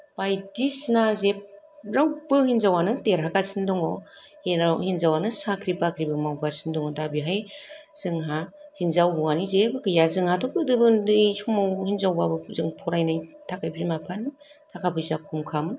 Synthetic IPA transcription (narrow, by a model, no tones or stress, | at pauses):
bajdisnazep̚ | ɾawbɯhinzawanɯteɾaɡasindɔŋɔhihinzawanɯsakʰɾibakʰɾibɯmawɡasindɔŋɔdabiɦajz̥ɯŋɦahinzawɦuŋanizebɯkɯjazɯŋhatʰɔkɯdɯbɯnɯjsumawhinzawbabɯzɯŋpʰɔɾajnajtʰakʰajbzimapʰan | tʰakʰabʰɯjzakʰumkʰamɯn